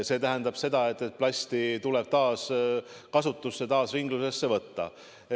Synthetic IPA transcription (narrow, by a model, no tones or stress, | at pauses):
se̞ːt̪æɦend̪̥ɑb̥se̞d̪̥ɑe̞t̪ːˑet̪̚plɑsʲt̪it̪ule̞b̥̚t̪ɑːs | kɑsut̪ːˑusːet̪ɑːsviŋɡ̥luse̞sːe̞vɤt̪ːɑ̰